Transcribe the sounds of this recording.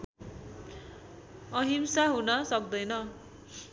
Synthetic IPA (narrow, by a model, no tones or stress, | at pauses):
ʌɦimsaɦunʌsʌk̚d̪ʌjnʌ